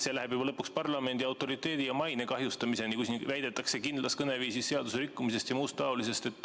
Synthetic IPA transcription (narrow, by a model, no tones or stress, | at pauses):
selæhe̞bjubɑlɤpːukspɑrlɑme̞nd̪̥iɑwt̪ːˑo̞ɾit̪ːˑe̞ːd̪ijɑmɑjnekɑɦjust̪ɑmise̞nikusnivæjd̪̥e̞t̪ːˑɑkse̞kind̪lɑskɤne̞viːsisse̞ɑd̪̥useɾikːumise̞st̪jɑmuːst̪ːɑolise̞st̪e̞t̪ːˑ